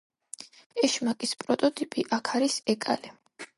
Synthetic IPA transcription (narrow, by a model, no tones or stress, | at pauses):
ɛʃmakʼispʼɾɔt̪ʼɔt̪ʼipʼiʔakʰaɾisɛkʼa̰li